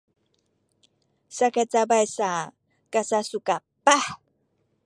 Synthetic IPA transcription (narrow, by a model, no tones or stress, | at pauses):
sakat͡sabajsa | kasasuka | paħ